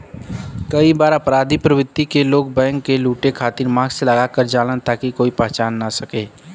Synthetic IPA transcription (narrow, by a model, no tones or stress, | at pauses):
kəibaːɾəpɾaːd̪ʱipɾəʋɪt̪ːikeloːɡ̚bɛ̃ːŋkːeluːʈekʰaːt̪iɾmãːɡseləɡakəɾd͡ʒaːlənt̪akikoːipɛɦt͡ʃaːnːasəkeː